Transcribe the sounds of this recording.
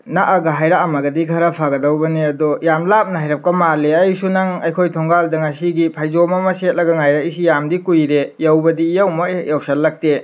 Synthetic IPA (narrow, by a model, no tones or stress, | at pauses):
naʔɐɡɐɦajɾaɐmɐɡɐdikʰaɾɐpʰaɡɐdɐwbɐniɐdɔjamlap̚nɐɦajɾɐp̚kɐmaleɐjsunɐŋɐjkʰojtʰoŋɡaldɐŋasiɡipʰajzomɐmɐset̚lɐɡɐŋajɾaisijamdikujɾejawbɐdijawmɐjawsɐlɐk̚te